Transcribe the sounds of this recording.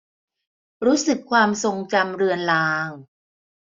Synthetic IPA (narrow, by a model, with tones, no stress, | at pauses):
ɾuː˦˥sɯ˨˩kʰːwaː˧mso˧ŋt͡ɕa˧mɾɯ˧ənlaː˧˥ŋ